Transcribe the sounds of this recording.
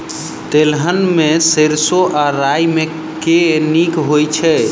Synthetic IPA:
t̪elɦənmeseɾsoʔaɾajme | kenikɦojt͡ʃʰɛ

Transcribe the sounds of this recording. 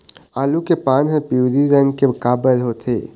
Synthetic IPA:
aːlukepanɦəpiwd̪iɾəŋkebəkabəlɦot̪ʰe

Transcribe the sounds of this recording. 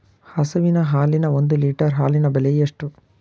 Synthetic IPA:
hɐsɐʋinɐɦaːlinɐond̪uliːʈɐɾɦaːlinɐbɐlejeʂʈu

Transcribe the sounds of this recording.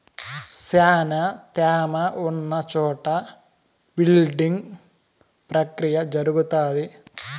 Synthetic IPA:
saːnɐt̪aːmɐunːɐt͡ʃɔːʈɐ | bilɖiŋɡ | pɾɐkɾijɐd͡ʒɐɾuɡut̪aːd̪i

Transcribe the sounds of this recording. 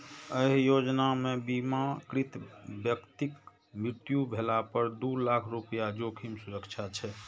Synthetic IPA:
əɦjod͡ʒnamebimakɾit̪bjəkt̪ik | mɾit̪jubʱelapəɾd̪ulakʰɾupəjad͡ʒokʰimsuɾəkt͡ʃʰat͡ʃʰɛ

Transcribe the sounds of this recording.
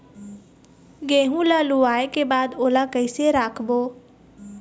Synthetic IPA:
ɡẽːɦũlaːluaːekebaːd̪oːlakəiseɾaːkʰboː

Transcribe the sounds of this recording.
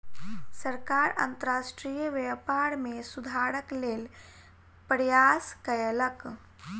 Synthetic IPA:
səɾkaɾə̰nt̪əɾasʈɾijəʋepaɾmesud̪ʱaɾəklel | pɾjaskəelək

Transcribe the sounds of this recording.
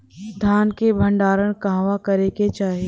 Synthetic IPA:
d̪ʱjaːnkebʱə̃ɳɖaːɾəɽ̃kaɦʋakɐɾeket͡ʃaːɦie

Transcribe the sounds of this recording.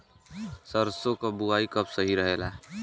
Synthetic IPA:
səɾsõkabʊaːikɐbsɐɦiɾəɦeːla

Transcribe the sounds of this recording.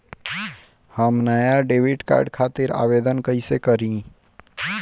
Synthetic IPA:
həmnəjaɖeːʋɪʈka̰ːɾɖkʰaːt̪ɪɾa̰ːʋed̪ənkəisekəɾĩ

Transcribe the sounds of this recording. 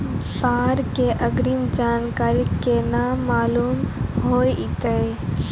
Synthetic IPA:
saːɾkeʔəɡɾimd͡ʒaːnkaːɾikːenamaːluːmɦoiʔit̪əe

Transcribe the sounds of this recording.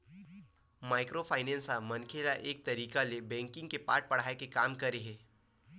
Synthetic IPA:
maːɪkɾopʰaːɪnɛ̃ːnsamɐnkʰeːlaʔeːk̚t̪ɐɾiːkalebɛ̃ːŋkɪ̃ŋɡkepaːɾʈ̚pɐɽ̤aːekekaːmkɐɾeɦɛ̃ː

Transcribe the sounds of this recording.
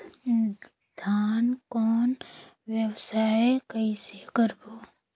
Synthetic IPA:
d̪̥ʱaːnkɔːn | ʋjəwsaːekəisekəɾboː

